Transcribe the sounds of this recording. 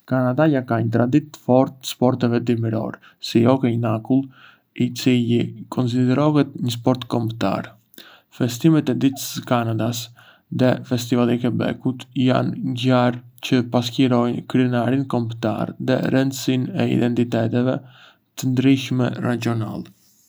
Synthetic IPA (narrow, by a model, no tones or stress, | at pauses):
kanad̪ajakaɲət̪ɾad̪it̪ːə̥fɔɾt̪spɔɾt̪ɛvɛd̪imiɾɔ̰ɾ | siɔkɛnakulˠ | it͡silikʰɔns̬id̪ɛɾɔɦɛt̪ɲəs̬pɔɾt̪kɔmbt̪a̰ɾ | fɛst̪imɛt̪ɛd̪it̪əsəkanad̪as | ðɛfɛst̪ivalˠikɛbɛ̰kut̪ja̰nɲɟaɾcəpas̬kiɾɔjnkɾiənaɾinkɔmbt̪a̰ɾðɛ̰ɾɛnd̪əsinɛḭd̪ɛnt̪it̪ɛt̪ɛvɛ | t̪ənd̪ɾiʃmɛ̰rad͡ʒɔna̰lˠ